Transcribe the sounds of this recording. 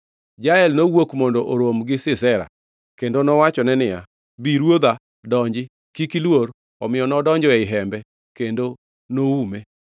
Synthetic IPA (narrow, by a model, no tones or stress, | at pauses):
d͡ʒaɛlnowokmondoʔoɾomɡɪsɪsɛɾa̰ | kendonɔwat͡ʃɔnɛnɪja̰ | biɾwod̪a | dɔɲd͡ʒɪ | kikilwoɾ | ɔmɪjɔnɔdɔɲd͡ʒɔɛɪɦɛmbɛ | kendo | noume